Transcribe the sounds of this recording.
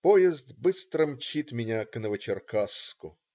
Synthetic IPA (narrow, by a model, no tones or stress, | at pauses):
pojɪzd̪bɨst̪ɾəmt͡ɕit̪mʲɪnʲaknəvət͡ɕɪrkaskʊ